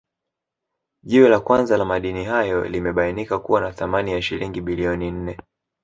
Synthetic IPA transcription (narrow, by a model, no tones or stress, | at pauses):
ʄiwɛlakwanzalamaɗiniɦajɔ̰limɛɓainikakuwanaθamanijaʃiliŋɡiɓiliɔnin̩nɛ